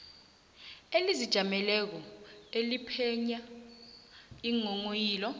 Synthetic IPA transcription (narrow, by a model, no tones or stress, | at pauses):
elizid̥ʒ̥ʱamɛlɛk̬ɔelipʰɛɲa | iŋoŋojiːlɔ